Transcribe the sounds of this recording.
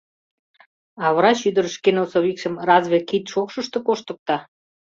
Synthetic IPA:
ɑβəɾɑʃyd̪əɾəʃkenosoβikʃə̆mrɑzβekit̪ʃokʃəʃt̪okoʃt̪ə̆k̚t̪ɑ

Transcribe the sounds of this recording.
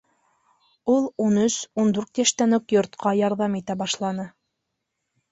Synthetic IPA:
ulˠunɵsund̪ʉɾt̪jæʃt̪ænɵkjŏɾt̪qɑjɑɾðɑmit̪æbɑʃlˠɑnɤ

